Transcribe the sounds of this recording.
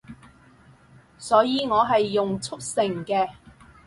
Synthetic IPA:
sɔː˨˥jiː˧ŋɔː˨˧ɦɐ˨jːʊ˨ŋt͡sʰʊ˥k̚sɪ˨˩ŋkɛː˧

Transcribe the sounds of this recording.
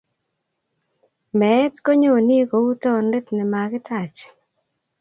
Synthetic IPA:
mɛ˨˦tko˦ɲo˦˨ni˦ko˨u˦tɔ˦ndɪ˦t̪nɛ˨ma˨ɡɪ˦tʰa˨t͡ʃ

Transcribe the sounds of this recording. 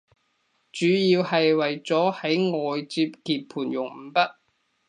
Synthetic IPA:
t͡ʃyː˨˥jiː˧whɐ˨jwɐ˨jt͡sɔː˨˥hɐ˨˥jŋɔː˨jt͡siː˧p̚kiː˨˧p̚pʰuː˨˩njʊ˨˩ŋm̩˨˩pɐ˥t̚

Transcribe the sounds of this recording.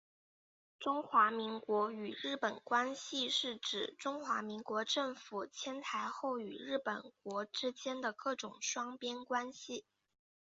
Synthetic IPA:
ʈ͡ʂʊ˥ŋxwa˧˥mi˧˥ŋkwɔ˧˥y˨˩ɻɻ̩˥˩pə˨˩nkwa˥nɕi˧ʂɻ̩˥˩ʈ͡ʂɻ̩˨˩ʈ͡ʂʊ˥ŋxwa˧˥mi˧˥ŋkwɔ˧˥ʈ͡ʂɤ˥˩ŋfu˨˩t͡ɕʰjɛ˥nt̪ʰa˧˥ɪxo˥˩ʊy̰˨˩ɻ̩˥˩pə˨˩nk̚wɔ˧˥ʈ͡ʂɻ̩˥t͡ɕjɛ˥nd̪ə˨kɤ˥˩ʈ͡ʂʊ˨˩ŋʂwɑ˥ŋpjɛ˥nkwa˥nɕi˨

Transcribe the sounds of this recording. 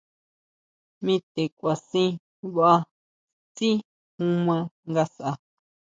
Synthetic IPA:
mĩ˦t̪e˨kʷa˨sĩ˦ | βa˦a˧ | t͡sĩ˦ | hũ˦mã˧ŋɡa˧sa˨a˧

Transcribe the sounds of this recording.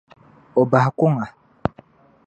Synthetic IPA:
ɔ˨ba˨hkʊ˦ŋa˨

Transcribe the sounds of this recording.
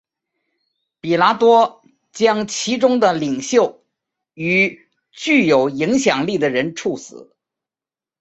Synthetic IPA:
pi˨˩la˧˥t̪wɔ˥ | t͡ɕjɑ˥ŋt͡ɕʰi˧˥ʈ͡ʂʊ˥ŋd̪ə˨li˨˩ŋɕjo˥˩ʊ | y˨˩ | t͡ɕy˥˩jo˨˩ʊi˧˥ŋɕjɑ˨˩ŋli˥˩d̪ə˩ɻə˧˥nʈ͡ʂʰu˥˩sɹ̩̰˨˩˦

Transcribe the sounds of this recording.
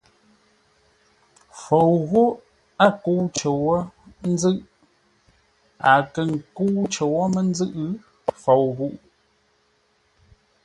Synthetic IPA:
fo˨wɣu˦ | a˦ku˦wt͡ʃə˨wɔ˦n̩˦d͡zɨ˦ʔ | a˨kə˨ŋ˨ku˦wt͡ʃə˨wɔ˦mə˦n˦d͡zɨ˦ʔɨ˦ | fo˨wɣu˦ʔ

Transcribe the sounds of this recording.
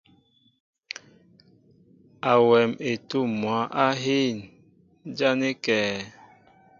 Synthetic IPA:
a˨wɛ˨me˨tu˦˨mwa˨˦ʔa˦ɦi˦˨n˦ | d͡ʒa˦ne˦kɛː˨

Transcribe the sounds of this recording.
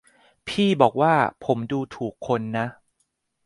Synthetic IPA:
pʰiː˥˩bɔː˨˩k̚waː˥˩pʰo˩˦mduː˧t̪ʰuː˨˩kʰːo˧nːa˦˥ʔ

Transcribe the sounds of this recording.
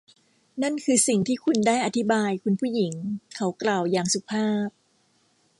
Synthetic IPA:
na˥˩nkʰɯː˧si˨˩ŋt̪ʰiː˥˩kʰu˧ndaː˥˩jʔa˧t̪ʰi˦˥baː˧jkʰu˧npʰuː˥˩ji˩˦ŋkʰa˦˥wklaː˨˩wjaː˨˩ŋsu˨˩pʰaː˥˩p̚

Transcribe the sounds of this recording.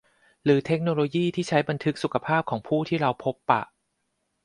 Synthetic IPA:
ɾɯː˩˦t̪ʰe˦˥k̚no˧loː˧jiː˥˩t̪ʰiː˥˩t͡ɕʰa˦˥jba˧nt̪ʰɯ˦˥k̚su˨˩kʰa˧pʰaː˥˩p̚kʰɔː˩˦ŋpʰuː˥˩t̪ʰiː˥˩ɾa˧wpʰo˦˥pːa̰˨˩ʔ

